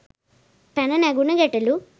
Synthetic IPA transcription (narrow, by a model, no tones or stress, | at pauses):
pɛnɐneɡunɐɡeʈːɐlu